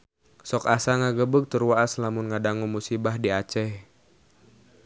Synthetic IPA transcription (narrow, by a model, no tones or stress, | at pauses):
sɔkasaŋaɡəbək̚t̪ərwaːslamʊnŋadaŋumusibahdiat͡ʃɛh